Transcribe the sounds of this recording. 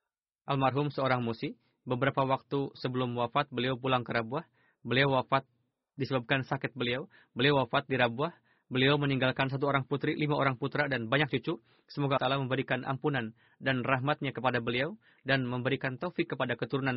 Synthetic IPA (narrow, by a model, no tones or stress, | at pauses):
ʔalmarɦʊmsəoɾaŋmusi | bəbəɾapawak̚t̪usəbəlʊmwafat̪̚bəliawpulaŋkəɾabuah | bəliawwafat̪̚ | disəbap̚kansakɪt̪̚bəliaw | bəliawafat̪̚diɾabuah | bəliawməniŋɡalkans̬at̪̬uoɾaŋput̪ɾilimaʔoɾaŋput̪ɾadanbaɲak̚t͡ʃut͡ʃu | səmoɡat̪alaməmbəɾikanʔa̰mpunan | danraɦmat̪̚ɲakəpadabəliaw | danməmbəɾikant̪ofɪkːəpadakət̪uɾunan